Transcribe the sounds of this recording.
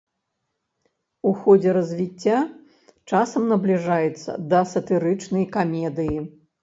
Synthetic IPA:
uxɔd͡zʲɛɾɐzʲvʲit͡sʲːa | t͡ʂasɐmnɐblʲiʐajɛt̪sːɐ̰d̪ɐsɐt̪ɨɾɨt͡ʂnɐjkamʲɛd̪ɨji

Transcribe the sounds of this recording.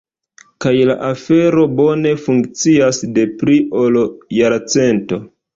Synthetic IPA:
kajlaʔafe̞ɾo̞bo̞ne̞fuŋkt͡siasde̞pɾiʔoljaɾat͡se̞nto̞

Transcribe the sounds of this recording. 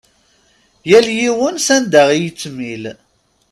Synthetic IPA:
jæljiwənsænd̪æʁijət͡sːmil

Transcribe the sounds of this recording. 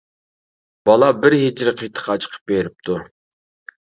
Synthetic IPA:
b̥ɑlˠɑbɪɾɦɪd͡ʒɾɪqʰejt̪ʰə̥χʰɑt͡ʃʰqʰə̥p̚beɾɪp̚t̪ʰu

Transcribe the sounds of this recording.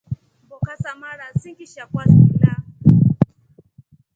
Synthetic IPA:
bokasamaɽasiŋkʲiʃakʷasila

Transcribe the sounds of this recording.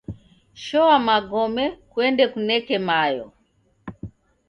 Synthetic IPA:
ʃɔamaɡɔmɛkwɛndɛkunɛkɛmajɔ̰

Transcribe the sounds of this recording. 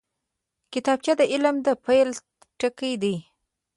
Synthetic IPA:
kɪt̪ɑb̚t͡ʃɑd̪əʔɪlmd̪əpʰajl | ʈəkəjd̪i

